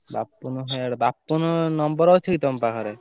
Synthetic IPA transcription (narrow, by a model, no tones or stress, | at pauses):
bapːunuɦɔaɽbapːunnɔmbɔɾɔwt͡ʃʰekit̪ɔmpakʰɔɾe